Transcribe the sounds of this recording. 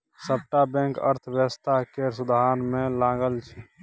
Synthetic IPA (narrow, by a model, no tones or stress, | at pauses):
səp̚ʈabɛ̃ŋkə̰ɾt̪ʰbjəst̪ʰaɦkeɾsud̪aɦnmẽlaɡəlt͡ʃʰɛ